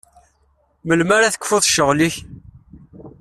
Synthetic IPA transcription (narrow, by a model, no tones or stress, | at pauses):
məlmaɾaθə̥kːfʊðˤʃəʁliç